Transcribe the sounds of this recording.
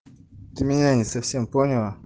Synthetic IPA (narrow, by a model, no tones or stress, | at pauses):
timiaɲisɐfsempoɲewa